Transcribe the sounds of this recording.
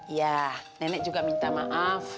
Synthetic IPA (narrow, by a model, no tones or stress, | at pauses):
janɛnɛʔd͡ʒuɡaʔmint̪amaʔaf